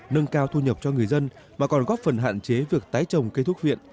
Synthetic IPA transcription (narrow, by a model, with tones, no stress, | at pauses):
nə˧ŋkaː˧wt̪ʰu˧ɲə˨˩p̚t͡ɕɔ˧ŋɨ˨˩əjzə˧n | maː˨˩kɔ˨˩nɣɔ˦˥p̚fə˨˩nɦa̰ː˧˨nt͡ɕe˨˦vi˨˩ək̚t̪aː˨˦jt͡ɕə˨˩wŋ͡mke˧t̪ʰʊ˦˥vḭ˧˨ən